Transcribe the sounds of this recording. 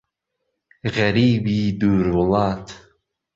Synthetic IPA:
ɣæɾiːbiːd̪uːɾwʊlˠaːt̪

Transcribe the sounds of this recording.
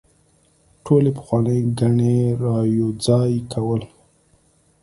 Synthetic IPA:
ʈʰolepə̥xwɑnəjɡaɳeɾɑjod͡zɑjkʰawəl

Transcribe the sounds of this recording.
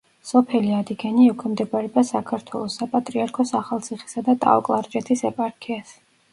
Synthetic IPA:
sɔpʰɛliad̪iɡɛniɛkʰɔmd̪ɛbaɾɛbasakʰaɾt̪ʰwɛlˠɔsːapʼat̪ʼɾiaɾkʰɔsaχalˠt̪sʰiχi̥sad̪at̪ʼa̰ɔ̰kʼlˠaɾd͡ʒʼɛt̪ʰisɛpʼaɾkʰias

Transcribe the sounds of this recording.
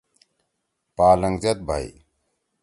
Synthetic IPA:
paːlɐŋɡzɐt̪̚bʱa̰ḭ

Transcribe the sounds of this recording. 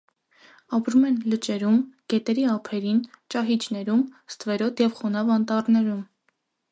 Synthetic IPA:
ɑpɾumɛnlət͡ʃɛɾumɡ̥ɛt̪ɛɾiɑpʰɛɾint͡ʃɑɦit͡ʃnɛɾumst̪vɛɾɔt̪ʰjɛvχɔnɑvɑnt̪ɑrnɛɾum

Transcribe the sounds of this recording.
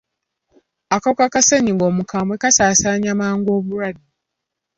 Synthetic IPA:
akaukakaseɲiɡo̞ːmukamwekasaːsaːɲamaːŋɡo̞ːβuɾadi

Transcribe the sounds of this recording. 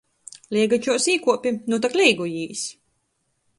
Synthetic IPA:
lʲiɛɡat͡ʃuɔsiːkuɔpʲinut̪̬aklʲɛjɡujiːs

